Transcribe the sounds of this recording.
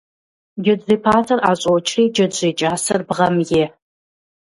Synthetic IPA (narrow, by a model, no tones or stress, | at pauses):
d͡ʒɪdziːpʰaːtʰɐraːɕʼowt͡ʃʰriːd͡ʒɐdziːt͡ʃʼaːsɐrbʁɐmjɪ